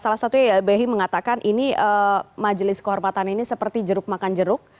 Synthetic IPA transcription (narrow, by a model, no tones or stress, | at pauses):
salahsat̪ubeɦiməŋat̪akanʔiniəmad͡ʒəlɪskəɦɔrmat̪aninisəpərt̪id͡ʒəɾʊk̚makand͡ʒəɾʊk̚